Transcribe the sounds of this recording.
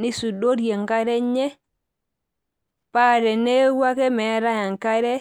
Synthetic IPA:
ni˦su˨do˦ɾje˨ŋka˦ɾɛ˦ɲɛ˦ | pa˦˨ɾɛ˨ne˦wa˦kɛ˦mɛ˨˦ɾa˦ja˨ŋka˦ɾɛ˦

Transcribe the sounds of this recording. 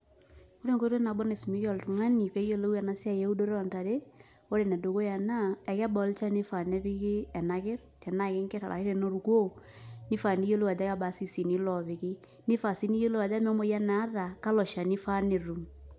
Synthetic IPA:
o˦ɾe˦ŋko˦ɾo˦na˨bɔ˦ne˨smi˦jɔ˨ltu˨ŋa˦ni˨pɛ˦jo˦lo˦a˨na˦sɪ˦a˦je˦u˦do˦ɾɔ˨nta˨ɾe˦ | o˦ɾe˨nɛ˨do˨ko˦ja˨na˦ɛ˨kɛ˦bɔ˨˦lt͡ʃa˦nɪ˦fa˨nɛ˦pɪ˦kɪ˦ɛ˨na˨kɪ˦ɾtɛ˨na˦kɪ˦ŋkɛ˦ta̰˨a̰˨ɪ˦ɾe˦no˦ɾu˨ko˦ | nɪ˦fa˨ni˦jo˦lo˦a˨d͡ʒa˦ka˦ba˨si˦˨si˨ni˦lɔ˨βɪ˨kɪ˦ | nɪ˦fa˨si˦ni˦jo˦lo˦a˨d͡ʒa˦mɛ˦mo˦ja˦naː˨˦ða˨ka˦lɔ˨ʃa˨nɪ˦fa˦ne˨ɾu˨m

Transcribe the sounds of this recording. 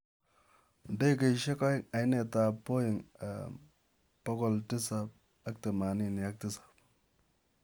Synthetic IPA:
n̩˨dɔ˦i˦k̬e˨ʃe˦kɔ˦ɪ˦ŋa˨jne˨ta˨po˦jɪ˨ŋa̰˨ | pɔ˦kɔ˦ltɪ˦sa˦p̚ | a˦k̚te˨ma˨ni˦ni˨a˦k̚ti˦sḁ˨p̚

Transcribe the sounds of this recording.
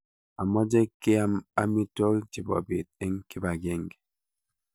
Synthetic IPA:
a˨mɔ˦d͡ʒe˦ke˦a˦ma˦mi˦tɔ˦ɣi˦t͡ʃi˨bɔ̰˨be˨t̚e˦ŋ˦ki˦ba˨ɡe˦˨ŋɡe˨

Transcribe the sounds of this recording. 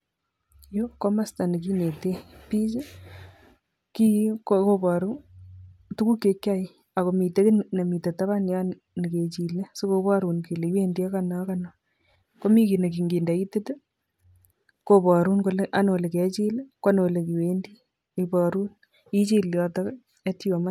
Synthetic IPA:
jo˦kɔ˦ma˦sta˨ni˨ki˦ne˨te˦pi˦t͡ʃe˦ | ki˦koko˦ba˨ɾu˦ | tu˦ku˦kːe˨˦kja˦i˨ | a˨ko˨mi˨te˦kɪ˦nna˨mi˨te˨ta˦βa˦ni˨a˦n | ni˨ke˨t͡ʃi˨le˦so˦ko˨βa˦ɾu˨nke˨le˨i˦we˦ndi˦a˦ka˨na˨˦ka˨na˨ | ko˦mi˦ki˨ne˨ki˨ŋɡi˨nda˨i˦te˦te˦ | ko˨bɔ˨ɾu˦nko˨lʔa˨n˨o˨le˨ke˨t͡ʃi˦le˦ka˦no˨le˨ki˨we˦ndi˦ | ipɔɾu˦n | i˦t͡ʃi˦lɔ˨ta˦ | e˦ti˦wo˨ma

